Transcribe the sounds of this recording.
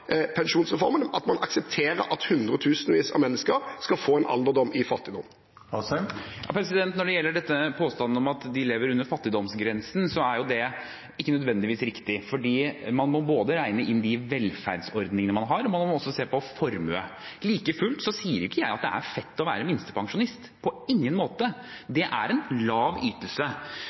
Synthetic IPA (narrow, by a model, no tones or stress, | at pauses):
pʰɛnʃuːnsʁɛfɔɾmənɑt̪mɑnʔɑksɛpt̪ʰeːɾə̰ɾʔɑt̪hʉnd̪ɾət̪ʰʉːsnʋiːsɑ̰ʋmɛnːəskəɾskɑlfoːɛnʔɑ̰ld̪əd̪ɔmːɪfɑt̪ːɪd̪ɔmː | jɑ̰ːpʰɾɛs̬ɪd̪ɛnt̪nɔɖɛjɛlːəɖɛt̪ːəpʰoːst̪ɑnəɔmɑt̪d̪ɪleːʋəɾʉnːəɾfɑt̪ːɪd̪ɔmsɡɾɛnsn̩sɔæɾjʊd̪ɛ | ɪkːənœd̪ʋɛnd̪ɪʋiːsɾɪkt̪ɪfɔɖiːmɑnmɔboːd̪əɾæɪnəʔɪnd̪ɪʋɛlfæ̰ːɖsɔɾd̪nɪŋənəmɑnɦɑɾɔmɑnmmɔɔsːɔseːpɔfɔɾmøːliːkəfʉlt̪sɔsiːəɾjʊkːəjæɪɑt̪̚d̪ɛʔæ̰ɾfɛt̪ːɔʋæ̰ːɾəmɪnst̪ə̥pʰɑŋʂʊnɪst̪pʰɔɪŋːənmoːt̪əd̪ɛʔæɾɛnlɑːʋyːt̪əlsə